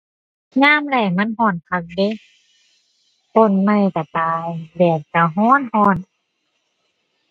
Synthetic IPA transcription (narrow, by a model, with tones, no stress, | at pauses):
ɲaː˧˥˨mda˧˩jma˧˥˨nɦɔː˧˩˨nkʰa˧˩k̚de˧˨ | p̪o˧˩˨nma˧˩˨jka˨˩t̪aː˨˧jbɛː˨˩p̚ka˧˩ɦɔː˧˥˨nhɔː˧˥˨n